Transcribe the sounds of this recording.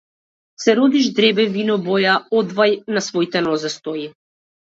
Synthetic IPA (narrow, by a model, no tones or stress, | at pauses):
sɛɾɔd̪iʒd̪ɾɛbɛvinɔbɔjaɔd̪vajnasvɔit̪ɛnɔzɛst̪ɔji